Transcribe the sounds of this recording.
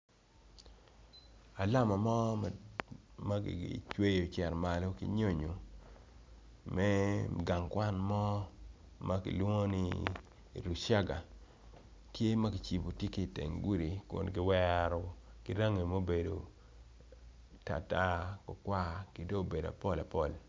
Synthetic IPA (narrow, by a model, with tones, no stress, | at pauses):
a˨la˦ma˨mɔ˦ | ma˦ɡḭ˨ḭ˨t͡ʃwe˦jo˨t͡ʃɛ˨ɾma˨lo˦kḭ˦ɲo˦ɲo˨ | mɛ˦ɡa˨ŋkwa˦nmɔ˦ | ma˦kḭ˨lwŋo˦ni˦˨ | ɾu˨ʃa˦ɡa˨ | tje˦ma˦kɪ˨t͡ʃi˨bo˨tje˦ki˦˨tḛ˨ŋɡu˦ɾi˨kʊ̰˨nɡɪ˨˦wɛ˦ɾɔ˨kɪ˦ɾa˦ŋe˨mo˦be˨do˨ | ta̰˨ta˦kɔ˨kwa˦kɪ˨do˦˨be˨da̰˨pɔ˦la˨pɔ˦˨l